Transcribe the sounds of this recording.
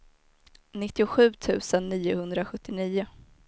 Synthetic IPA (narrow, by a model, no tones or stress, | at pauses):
nɪt̪ːɪʊɧʉ̟ːt̪ʰʉ̟ːsənːiːʊhɵnd̪ɾaɧɵt̪ːɪniːʊ